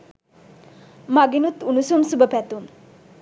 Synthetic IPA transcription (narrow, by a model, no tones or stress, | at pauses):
maɡinut̪unusumsubəpɛt̪um